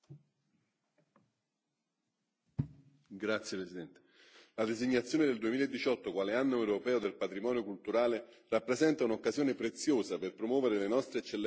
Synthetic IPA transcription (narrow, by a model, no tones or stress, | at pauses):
ɡɾat̪sːjepɾesid̪ɛnt̪e̥ | lad̪eziɲːat̪sjoːned̪eld̪uemiːlaed̪ːit͡ʃɔt̪ːokwaːleanːoewɾopɛːod̪elpat̪ɾimɔːnjokult̪uɾaːle | rapːɾezɛnt̪aunokːaszjoːnepɾet̪sːjoːzaperpɾomwɔːveɾelenɔst̪ɾeːt͡ʃːelː